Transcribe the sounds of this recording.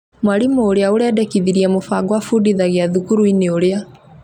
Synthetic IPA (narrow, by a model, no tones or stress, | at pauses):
mwalimooɾeaoɾɛːdɛkiðiɾiamofaɡwafudiðaɣeaðukuɾuineoɾea